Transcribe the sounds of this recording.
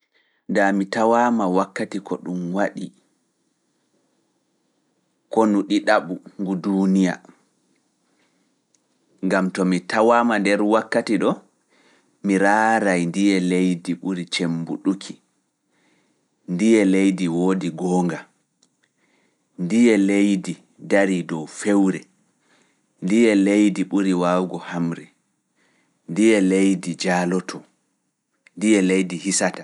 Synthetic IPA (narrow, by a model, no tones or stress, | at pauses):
damitawamawakːatikɔɗumwaɗi | kɔnuɗiɗaɓuŋɡudunija̰ | ŋɡamtɔmitawaːmandɛɾwakːatiɗɔ | miɾaːɾajndijɛlejdiɓuɾit͡ʃembṵɗukʰi | ndijɛlejdiwoːdiɡɔːŋɡa | ndijɛlejdi | daɾidɔwfewɾɛ | ndijɛlejdiɓuɾiwawɡɔhamɾɛ | ndijɛlejdid͡ʒaːlɔtʰɔ | ndijɛlejdihisata